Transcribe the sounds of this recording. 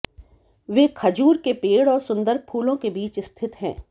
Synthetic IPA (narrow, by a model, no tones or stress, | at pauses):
ʋeːkʰɐd͡ʒuːɾkepeːɽɔːɾsʊ̃nd̪əɾpʰuːlõkebiːt͡ʃɪst̪ʰɪt̪ɦɛ̰̃ː